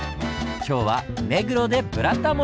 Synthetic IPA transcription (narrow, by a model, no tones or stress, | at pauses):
kʲo̞ːβa̰me̞ɡɯ̟ɾo̞d̪e̞bɯ̟ɾat̪ːamo